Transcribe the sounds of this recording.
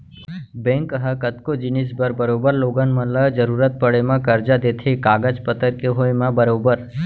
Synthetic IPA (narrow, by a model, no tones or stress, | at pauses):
bɛ̃ŋkəɦəkət̪kod͡ʒinisbəɾbəɾobəɾloɡənmələd͡ʒəɾuɾət̪̚pəɽemãkəɾd͡ʒad̪et̪ʰekaɡəd͡ʒpət̪əɾkeɦojmãbəɾobəɾ